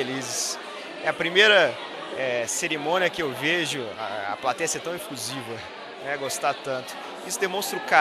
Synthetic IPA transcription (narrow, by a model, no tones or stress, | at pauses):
elizɪs | ɛɐpɾimejɾɐ | ɛseɾimõniɐkɪewveʒʊa̰ɐ̰plat̪ɛjɐseɾt̪ɐ̃w̃ĩfuzivɐ̃ | ɛɡost̪at̪ɐ̃nt̪ʊ̥ | isʊd̪emõst̪ɾʊka